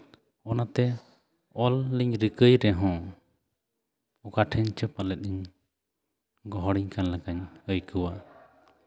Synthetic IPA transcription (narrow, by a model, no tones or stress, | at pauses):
ɔnat̪ɛ | ɔlːiɲɾikəjɾɛɦɔ̃ | ɔkaʈʰɛɲt͡ʃəpalɛt̪̚ˀiɲ | ɡɔɦɔɽiɲkanlakaɲəjkuwa